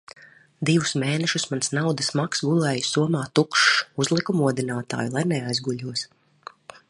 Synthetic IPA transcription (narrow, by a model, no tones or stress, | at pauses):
d̪ivusmeːnɛʃusmansnawd̪asmaksɡulˠɛːjusuɔmaːt̪ukʃuzlˠikumuɔd̪inaːt̪a̰ːjulˠajnɛajzɡuʎʲuɔs